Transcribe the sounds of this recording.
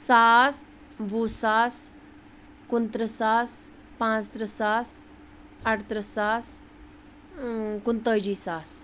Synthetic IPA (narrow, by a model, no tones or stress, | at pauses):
saːs | busaːs | kunt̪ɾəsaːs | pãt͡st̪ɾəsas | aʈt̪ɾəsaːs | kunt̪əːd͡ʒiːsaːs